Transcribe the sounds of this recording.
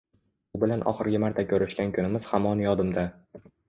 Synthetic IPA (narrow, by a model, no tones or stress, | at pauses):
ʊbɪlanʔɒ̰χɨɾɡʲɪmaɾt̪ʰakʲʰɵɾɪʃkʲankʲʰʊnɪmɪz̥hamɒnjɒd̪ɪmd̪a